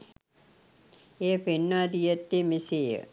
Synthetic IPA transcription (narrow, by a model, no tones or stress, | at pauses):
eːpenːad̪ijɐt̪ːemisejə̰